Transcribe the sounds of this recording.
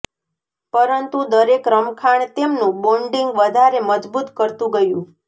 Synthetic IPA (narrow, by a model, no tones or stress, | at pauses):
pəɾənt̪ud̪əɾekɾəmkʰaɳt̪emnũboɳɖiŋɡʋəd̪ʱaɾeməd͡ʒbut̪kəɾt̪ũɡəjũ